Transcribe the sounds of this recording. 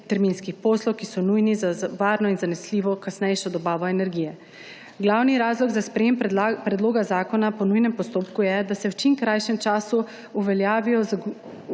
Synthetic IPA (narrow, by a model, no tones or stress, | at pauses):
t̪ɛɾmiːnskixpɔːslɔwkisɔnujnizaʋaːɾnɔinzanɛsliːʋɔkasnɛjʃɔd̪ɔbaːʋɔɛnɛɾɡijɛ | ɡlawniɾaːzlɔɡzaspɾɛjeːmpɾɛd̪loːɡazaːkɔnapɔnujnɛmpɔst̪oːpkujɛd̪asɛwt͡ʃimkɾajʃɛmt͡ʃaːsu | uʋɛljaːʋijɔz